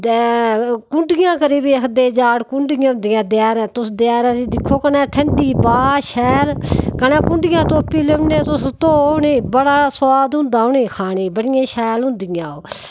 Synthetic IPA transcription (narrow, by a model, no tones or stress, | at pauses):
kʊɳɖɪjãːkəɾiːbiːəkʰd̪eːd͡ʒaːɽkʊɳɖɪjãːʊ̃nd̪ɪjãːd̪ɪjaːɾɛ̃ːt̪ʊsd̪ɪjaːɾɛ̃ːt̪id̪ɪkʰːoːkənɛ̃ːʈʰəɳɖiːbaːʃɛːlkənɛ̃ːkʊɳɖɪjãːt̪oːpːiːleʊnẽːt̪ʊst̪oːneːbəɽaːswaːd̪ʊ̃nd̪aːʊneːkʰaːneːbəɽɪjãːʃɛːlʊ̃nd̪ɪjãːoː